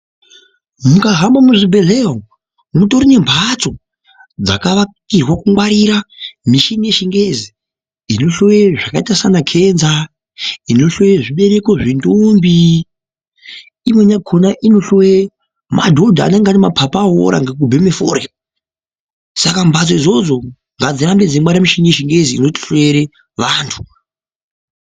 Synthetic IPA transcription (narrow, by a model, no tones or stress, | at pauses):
mukaɦambamuʐibʱe̞ɮeɦo | muto̞ɾine̞mbʱat͡so̞ | d͡za̰kaʋakirwakuŋwaɾiɾamiʃinije̞ʃiŋɡezi | ino̞ɬojeʐakaitasanakʰenza | ino̞ɬojeʐiɓe̞ɾeko̞ʐendombi | imweɲakʰonaʔino̞ɬowe | ma̰dʱo̞dʱa̰ːneŋɡanemapʰapaːɦo̰ɾa̰ŋɡek̬ubʱemefo̰ːɾia | sakambʱat͡soizo̞d͡zo̞ | ŋɡad͡ziɾambed͡zemwaɾiramiʃinijeʃiŋɡe̞ziːno̞ti̥ɬoeɾe | ʋaːntʰu̥